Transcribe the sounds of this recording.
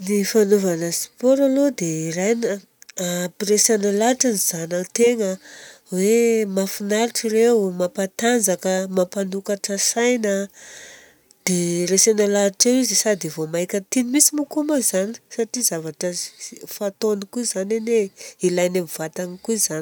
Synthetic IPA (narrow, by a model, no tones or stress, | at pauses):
nifanovanəsi̥pɔɾalod̪eirajnə | piɾesanalaʈ͡ʂaniz̥anat̪eŋə | wemafinaɾʈ͡ʂiɾewmapat̪and͡zakəmapanukaʈ͡ʂəsajnə | d̪̥eɾesanalaʈ͡ʂewizisad̪ivomajkʲət̪inimisimukumazani̥saʈ͡ʂizavaʈ͡ʂəfat̪onikuizaneneilajnamiv̥at̪anikuizani